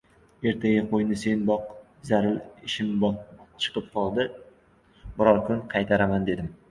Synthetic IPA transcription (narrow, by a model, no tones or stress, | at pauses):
e̞ɾt̪ʰaɡʲaqʰojnɪse̞nbɒq̚ | zaɾɪlɪʃɪmbt͡ʃʰɨ̥qɨp̚qʰɒlˠd̪ɪ | bʊɾɒɾkʰʊnqʰɑjt̪ʰaɾamand̪e̞d̪ɪm